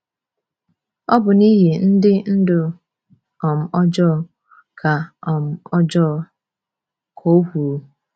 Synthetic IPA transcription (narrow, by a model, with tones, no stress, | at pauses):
ɔ˦bʊ˨ni˦ɦe˨n̩˦dɪ˦n̩˦dʊ˨ | ɔ˨m̩˨ɔ˦d͡ʒɔ˦˨ | kʰa˨ɔ˨m̩˨ɔ˦d͡ʒɔ˦˨ | kʰo˦hʷu˨˦